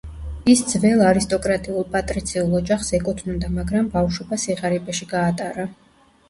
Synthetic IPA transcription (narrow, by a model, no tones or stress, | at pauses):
isd̪zvɛlˠaɾist̪ʼɔkʼɾat̪ʼiulˠpʼat̪ʼɾit̪sʰiulˠɔd͡ʒaχsɛkʼut̪ʰnund̪amaɡɾambafʃɔbasiʁaɾibʼɛʃiɡaːt̪ʼaɾa